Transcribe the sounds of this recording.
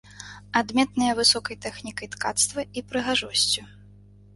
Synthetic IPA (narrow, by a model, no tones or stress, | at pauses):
ad̪mʲɛt̪nɨjɐvɨsɔkɐjt̪ɛxnʲikɐjt̪kat̪st̪vɐipɾɨɣaʐɔsʲt͡sʲu